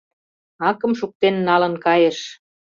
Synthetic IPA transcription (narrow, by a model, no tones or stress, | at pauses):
ɑkə̆mʃuk̚t̪enːɑlə̆nkɑjeʃ